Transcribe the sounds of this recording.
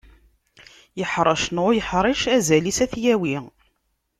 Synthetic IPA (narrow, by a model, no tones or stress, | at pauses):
jəħɾˤəʃnojəħɾˤiʃæzælisæθjæwi